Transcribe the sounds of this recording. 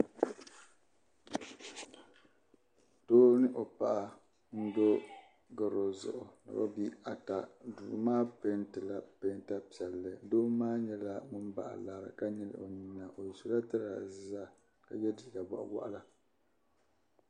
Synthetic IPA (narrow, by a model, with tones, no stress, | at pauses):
toː˦nɨ˦ʔo˨pa˨ʔa˨ | n̩˦do˦ | ɡa˨ɾo˨zʊ̰˨ʔʊ˨na̰˨ba̰˦bi˦a˨ta˨du˨maː˦pe˦ntɨ˨la˦pe˦nta˦pi˨ɛ˨lːɨ˨doː˦maː˦ɲɛ˦la˦ŋʊ˦m˦ba̰˨ʔa̰˨la˨ɾɨ̰˨ka˦ɲɛ˦l̰o˨ɲi˨nːa˨ʔo˨jɛ˨su˦la˦tɨ˦ɾa̰˨za˦ | ka˨jɛ˦di˨ɡa˨ba̰˨ʔwa̰˦ʔa˦la˦